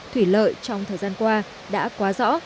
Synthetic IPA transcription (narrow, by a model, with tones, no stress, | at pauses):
t̪ʰwi˧˩lə̰ː˧˨jt͡ɕɔ˧wŋ͡mt̪ʰəː˨˩zaː˧nkwaː˧ | ɗa̰ː˧˥kwaː˨˦zɔ̰˧˥